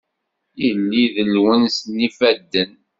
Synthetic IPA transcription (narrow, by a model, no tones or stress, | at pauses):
jəlːiðəlwənsnːifæd̪ːən